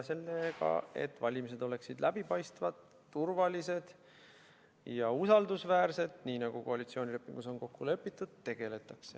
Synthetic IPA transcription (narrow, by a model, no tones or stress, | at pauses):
se̞lːekɑ̰e̞̰t̪ːˑvɑlʲimis̬e̞d̪o̞le̞ksid̪lʔæbipɑjst̪vɑd̪̥ːurvɑlise̞d̪̥ | jɑusɑld̪usvæːrse̞d̪niːnɑɡ̥uko̞ɑlit̪sio̞ːnʲile̞pːˑiŋɡ̥uso̞nko̞kːulɤ̞pːit̪ːˑud̪̥̚t̪ːe̞ɡ̥e̞le̞t̪ːˑɑkse